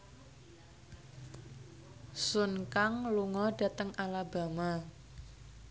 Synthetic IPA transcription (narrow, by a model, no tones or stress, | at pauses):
sunkaŋluŋɔɖ̥ä̤t̪əŋʔalaba̤ma